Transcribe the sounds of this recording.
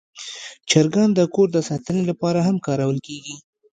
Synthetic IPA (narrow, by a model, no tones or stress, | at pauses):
t͡ʃaɾɡand̪əkoɾd̪əsɑt̪ənelapɑɾaɦamkɑɾawəlkeɡi